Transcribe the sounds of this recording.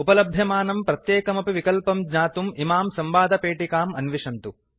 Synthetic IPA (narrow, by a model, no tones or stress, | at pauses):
upɐlɐbʱjɐmaːnɐmpɾɐt̪jeːkɐmɐpiʋikɐlpɐmɡɲaːt̪umimaːmsɐmʋaːd̪ʱɐpeːʈikaːmɐnʋiʂɐnt̪u